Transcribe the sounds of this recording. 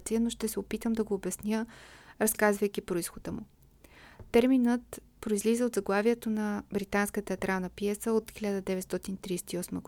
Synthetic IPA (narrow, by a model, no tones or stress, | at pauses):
t̪sijənoʃt̪ɛsɛopit̪əmd̪ɐɡoːbɛsnʲjəɾɐskazvəjk̟ʲipɾoʊisxod̪əmʊ̰ | t̪ɛɾminət̪ | pɾoizlizɛod̪zɐɡlˠaviɛt̪onɐbɾit̪anskət̪ɛɐt̪ɾalˠnəpijɛsəot̪xiʎʲad̪əd̪ɛvɛt̪st̪ɔt̪init̪ɾist̪iɔsmə̰ɡ